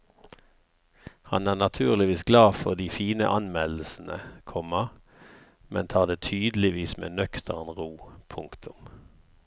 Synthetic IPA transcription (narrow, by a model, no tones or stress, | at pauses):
hɑ̰næːʁnɑt̪ʰʉːʁlɪʋiːsɡlɑːfɔʁd̪iːfiːnə̰ʔɑnmɛll̩sn̩ə̰kʰɔməʁ | mɛnt̪ʰɑːʁd̪eːt̪ʰyːd̪l̩ɪʋiːsmḛːnœkt̪ʰəʁnʁuːpʰʊŋkt̪ʰʊm